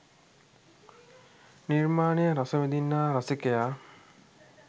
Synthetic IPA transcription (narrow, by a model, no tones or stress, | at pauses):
niɾmaːnejəɾasəʋid̪inːaːɾasikejaː